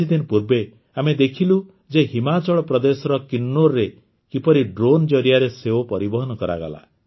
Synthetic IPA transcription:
id̪inpuɾbe | amed̪ekʰilu | d͡ʒeɦimat͡ʃɔɭɔpɾɔd̪esɔɾɔkinːoɾɾe | kipɔɾiɖɾond͡ʒɔɾijaɾeseopɔɾibɔɦɔnɔkɔɾa̰ɡa̰la̰

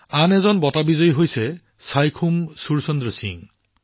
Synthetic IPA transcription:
anezɔnbɔtabizojɦojse | sajkʰumsuɾsɔnd̪ɾɔsḭŋ

